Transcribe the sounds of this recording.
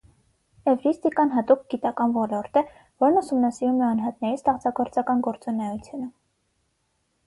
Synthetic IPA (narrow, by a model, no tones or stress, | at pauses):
ɛvɾist̪ikɑnɦɑt̪uk̚ɡ̥it̪ɑkɑnvɔlɔɾt̪ɛ | vɔɾnusumnɑsiɾumɛɑnɦɑt̪nɛɾisʰt̪ɑχt͡sɑɡɔɾt͡sɑkɑnɡɔɾt͡sunɛjut͡sʰjunə